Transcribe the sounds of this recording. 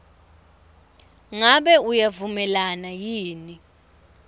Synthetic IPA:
ŋaɓɛujavumɛlanajiːni

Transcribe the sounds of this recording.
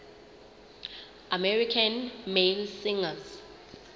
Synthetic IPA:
amɛɹikʰanmelsiŋaz

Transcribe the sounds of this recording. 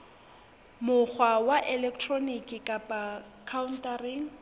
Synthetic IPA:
mʊk͡xʰwawaʔɛlɛk̚ʰtʰronikʼɪkʼapʼa | kʰauntariŋ̩

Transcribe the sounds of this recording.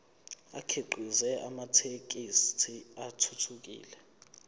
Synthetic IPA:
a̰kʰeǃʱizɛʔamatʰek̬ʼistʰiatʰutʰuk̬ḭːlɛ

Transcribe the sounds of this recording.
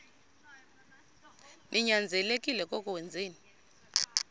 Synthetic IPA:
nʔiɲand͡zʱɛlekʼilɛkʼɔkʼuwɛnd͡zʱeːni

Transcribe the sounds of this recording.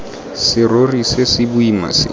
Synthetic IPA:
sɪrorisɪsɪbʊima̰sɪ̰

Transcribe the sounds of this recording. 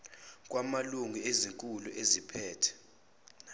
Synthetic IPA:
k̬ʼwamaluŋieziŋkʼuluʔezipʰɛːtʰɛ̥

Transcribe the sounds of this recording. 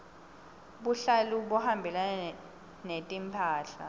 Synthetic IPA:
ɓuɬaluɓɔhambʱilan | netʼimpʰaːɬa̰

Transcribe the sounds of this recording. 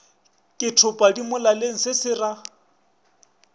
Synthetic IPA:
kʼɪtʰʊpʼadimʊlaleŋ̩sɪsɪra

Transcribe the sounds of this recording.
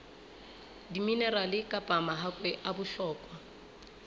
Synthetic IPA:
diminɛɾalɪkʼapʼamaɦakʼwɛʔabʊɬɔːkʼwa

